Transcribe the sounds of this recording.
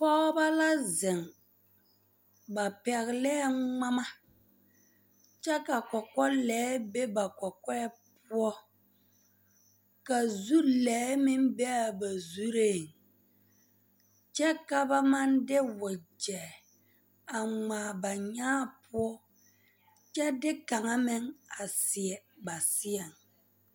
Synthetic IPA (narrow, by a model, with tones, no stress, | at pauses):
pɔ˦ba˦la˦zɪ˨ŋ | ba˨pɛ˨ɣlɛː˦ŋ͡ma˦ma˦ | t͡ʃɛ˦ka˨kɔ˨kɔ˦lɛː˨˦be˦ba˨kɔ˨kɛ˦pʊ˦ɔ˦ | ka˨zu˦lɛː˨˦mɪ˦mbɛ˦a˨ba˨zu˦ɾe˦˨ŋ | t͡ʃɛ˦ka˨ba˦ma˦ndɪ˦wʊ˨d͡ʒɛ˨ | a˨ŋ͡maː˨ba˨ɲaː˦pʊ˦ɔ˦ | t͡ʃɛ˦dɪ˦ka˨ŋa˦mɪ˦ŋa˨sɪ˨ɛ˨ba˨sɪ˦ɛ˨ŋ